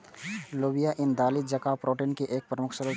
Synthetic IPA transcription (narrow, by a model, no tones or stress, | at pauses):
loːbijaʔɪnd̪aːlid͡ʒɐkapɾoːʈinkeʔeːk̚pɾəmʊkʰsəɾə